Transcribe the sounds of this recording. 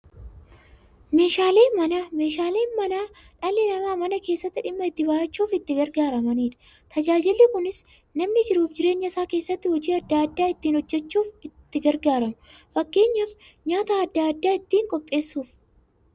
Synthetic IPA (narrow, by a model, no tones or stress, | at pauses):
me̞ːʃaːleːmɐnameːʃaːleːnmɐnaː | ᶑɐlɛlɐmaːmɐnɐke̞ːsːɐt̪ːɪᶑɪmːɐɪt̪ːɪbaːʔɐt͡ʃːuːfɪt̪ːɪɡɐɾɡaːɾɐmɐniːᶑɐ̥ | t̪ʰɐd͡ʒaːd͡ʒɪlːɪkʊnɪs | nɐmnɪd͡ʒɪɾuːfd͡ʒɪɾe̞ːɲːɐsaːke̞ːsːɐt̪ːɪhɔd͡ʒiːɐd̪ːaɐd̪ːaːɪt̪ːiːnhɔd͡ʒːɛt͡ʃːuːfɪt̪ːɪɡɐɾɡaːɾɐmʊfɐkːe̞ːɲːɐf | ɲaːt̪aːɐd̪ːaɐd̪ːaːɪt̪ːiːŋkʼɔpʼːe̞ːsːuːf